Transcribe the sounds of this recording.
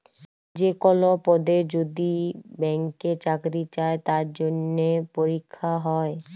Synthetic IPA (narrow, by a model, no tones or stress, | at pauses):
d͡ʑekɔlopɔd̪ed͡ʑod̪ibɛŋket͡ɕakɾit͡ɕaet̪aɾd͡ʑonːepoɾikʰːaɦɔe